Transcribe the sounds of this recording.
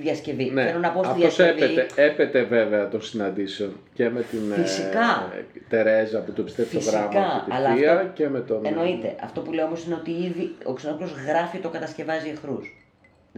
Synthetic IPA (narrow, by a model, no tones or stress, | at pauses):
ðjɐsce̞vineenonɐpoɐfðɐoseveeepet̪e̞ve̞ve̞ɐt̪o̞nsinɐnd̪iseo̞n | ce̞me̞t̪infisikɐ | t̪e̞ɾe̞zɐːpot̪oepi̥st̪eft̪osɣɾiɐmkɐiɐlɐiɐcemet̪oeno̞it̪e̞ʔɐ̰ft̪o̞puleoomo̞sine̞o̞t̪iiðio̞ksenoplo̞zɣɾɐfit̪o̞kɐt̪ɐsce̞vɐziexɾus